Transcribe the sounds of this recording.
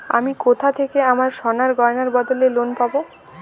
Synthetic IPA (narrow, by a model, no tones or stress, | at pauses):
a̰mikot̪ʰat̪ʰekeamaɾʃɔnaɾɡɔɾnaɾbɔd̪olelonpabo